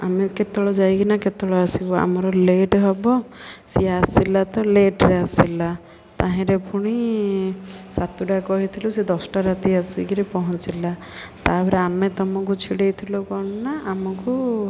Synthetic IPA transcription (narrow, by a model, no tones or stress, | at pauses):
ameket̪ɔɭɔd͡ʒajɡinaket̪ɔɭɔasibɔa̰mɔɾɔleʈɦɔbɔsiasilat̪ɔleʈɾeasila | t̪aɦɛ̃ɾepʰuɽ̃i | sat̪uɖakɔɦit̪ʰilused̪ɔsʈaɾat̪iasiɡiɾipɔɦɔ̃t͡ʃila | t̪abɔɾeamet̪ɔmɔk̬ut͡ʃʰiɽejt̪ʰilokɔnɔnaʔamɔku